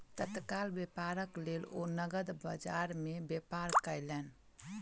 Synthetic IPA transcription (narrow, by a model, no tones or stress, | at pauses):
t̪ət̪kalbepaɾəklelo̰nəɡəd̪bə̰d͡ʒaɾmebepaɾkəjlɛn